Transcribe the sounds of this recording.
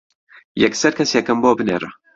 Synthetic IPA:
jɛksɐɾkʰɐsjɛkɐmboːbɨnḛːɾɐ

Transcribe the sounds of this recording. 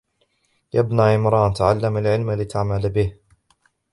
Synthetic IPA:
jʔabnaːʕɪmɾˤɑːnt̪aʕalːamalʕɪlmalɪt̪ʰaʕmalbɪh

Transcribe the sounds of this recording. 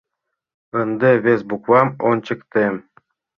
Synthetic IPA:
ɤnd̪ĕβesbukwɑmont͡ɕɘ̆kt̪em

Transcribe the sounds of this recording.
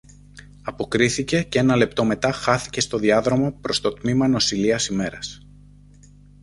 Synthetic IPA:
ɐpo̞kɾiθice̞cee̞nɐle̞p̚t̪o̞me̞t̪ɐxɐθi̥ce̞st̪o̞ðiɐðɾo̞mopɾo̞st̪o̞t̪mimɐno̞siliɐsime̞ɾɐs

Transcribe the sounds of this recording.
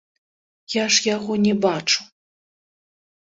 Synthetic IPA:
jaʂjaɣɔnʲɛbat͡ʂu̥

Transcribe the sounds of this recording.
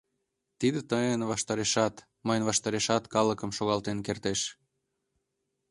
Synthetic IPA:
t̪id̪et̪əjənvɑʃt̪ɑɾeʃɑt̪ | məjənvɑʃt̪ɑɾeʃɑt̪kɑləkəmʃoɣɑlt̪enkert̪eʃ

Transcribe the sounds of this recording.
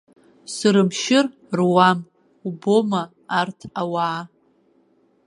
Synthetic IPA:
sɨɾɨmʃɪr | rwam | ubo̞maː | rtʰawaː

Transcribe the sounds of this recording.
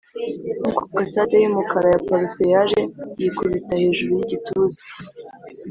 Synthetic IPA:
nukḁkasadajimukaɾajapaɾifejaʒejekuβitahe̞ːʒuɾujiɟituzi̥

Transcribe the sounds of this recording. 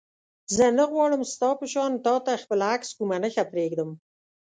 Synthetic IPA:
zənəɣwɑɽəmst̪ɑpəʃɑnt̪ɑt̪axpəlakskumanəxapɾeɡd̪əm

